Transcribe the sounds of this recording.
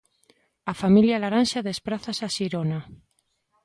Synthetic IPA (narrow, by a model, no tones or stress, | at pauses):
afamiljalaɾanʃaðespɾaθasaʃiɾona